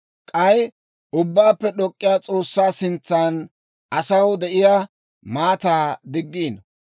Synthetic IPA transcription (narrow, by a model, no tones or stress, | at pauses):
kʼɐj | ʔʊbːaːpːɛɗɔkʼːɪjaːt͡sʼo̞ːsːaːsɪnt͡sːan | ɐsɐwd̪ɛʔɪjaː | maːt̪aːd̪ɪɡːiːn